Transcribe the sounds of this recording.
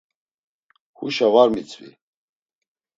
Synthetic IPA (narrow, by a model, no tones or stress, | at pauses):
hṵʃavaɾmit͡sʰʼvḭ